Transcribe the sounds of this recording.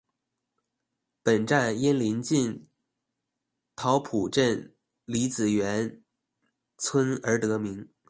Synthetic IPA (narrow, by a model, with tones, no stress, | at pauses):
pə˨˩nʈ͡ʂa˥˩njɛ˥nli˧˥nt͡ɕi˥˩n | t̪ʰɑ˧˥ʊpʰu˨˩ʈ͡ʂə˥˩n | li˧˥t͡sɹ̩˨˩ɥɛ˧˥n | t͡sʰwə˥nə˞˧˥t̪ɤ˧˥mi˧˥ŋ